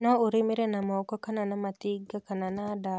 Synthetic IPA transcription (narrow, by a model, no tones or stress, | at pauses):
nɔoɾɪmeɾɛnamɔkɔkananamat̪ɪɡːakananada